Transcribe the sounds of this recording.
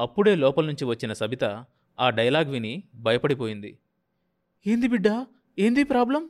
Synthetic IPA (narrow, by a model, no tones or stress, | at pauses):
ɐpːuɽe̞ːlɔːpɐlnuɲt͡ʃiʋɐt͡ʃːinɐsɐbit̪ɐ | aːɖɐjɐlaːɡʋinibʱɐjɐpɐɽipo̞ːjind̪ḭ | e̞ːnd̪ibiɖːa | e̞ːnd̪ipɾaːblɐm